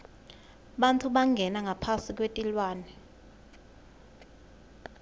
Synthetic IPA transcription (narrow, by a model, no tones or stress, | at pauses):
ɓantʰuɓaŋɡʱɛnaŋʱapʰasik̬ʼwetʼilwaːnɛ